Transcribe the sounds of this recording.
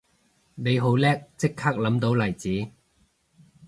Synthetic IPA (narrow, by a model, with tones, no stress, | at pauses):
ne˨˧jɦo˨˥wlɛː˥k̚t͡sɪ˥kʰːaː˥k̚lɐ˨˥mt̪o˨˥wlɐ˨˩jt͡siː˨˥